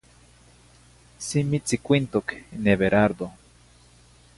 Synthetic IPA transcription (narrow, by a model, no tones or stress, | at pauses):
simit͡sikʷint̪okineβeɾaɾd̪o